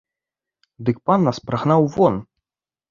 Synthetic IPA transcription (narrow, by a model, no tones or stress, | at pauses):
d̪ɨk̚panːaspɾaɣnawvɔn